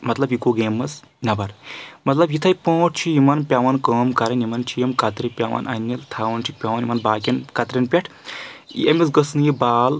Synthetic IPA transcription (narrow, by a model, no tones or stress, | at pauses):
mɐt̪lɐbjikoɡeːmɐs | nɐbɐɾmɐt̪lɐbjit̪ʰɐjpõːʈ̚ʰt͡ʃʰijimɐnpʲaʋɐnkəːmkɐɾɐnimɐnt͡ʃʰijemkɐt̪ɾipʲaʋɐ̰nɐnʲːɐlt̪ʰaːʋɐnt͡ʃʰik̚pʲaʋɐnimɐnbaːkʲɐnkɐt̪ɾʲɐnpʲɐʈʰ | ḛmʲisɡɐsɨnjibaːl